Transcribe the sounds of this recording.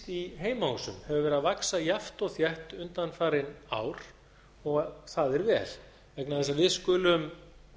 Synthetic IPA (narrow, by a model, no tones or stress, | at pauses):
t̪iɦeːjmahusʏ̰mhɛvʏvɛɾavaksajaft̪ɔɣθjɛht̪ʏnt̪anfaːɾɪna̰ːwɾ̥ | ɔɣθaðɛɾvɛ̰ːl | vɛknaðθɛs̬avɪðskʏːlʏm